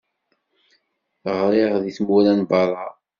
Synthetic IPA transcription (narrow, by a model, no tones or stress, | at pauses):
θʁɾˤiʁðiθmuɾænbɑɾˤːɑ